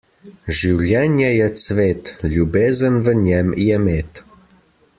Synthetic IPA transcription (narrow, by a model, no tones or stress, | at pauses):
ʒiwlʲɛnʲjɛjɛsvet̪lʲubezənvənʲɛmjɛmet̪